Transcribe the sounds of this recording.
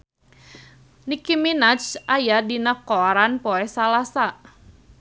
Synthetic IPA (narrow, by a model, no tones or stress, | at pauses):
nikiminat͡ʃʔajadinakɔɾanpoɛsalasa